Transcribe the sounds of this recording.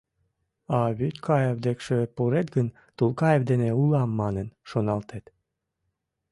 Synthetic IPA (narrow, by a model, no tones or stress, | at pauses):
ɑβyt̪ʲkʰɑjevd̪ekʃepuɾet̪ɡən | t̪ulkɑjevd̪eneulɑmːɑnənʃonɑlt̪ʰet̪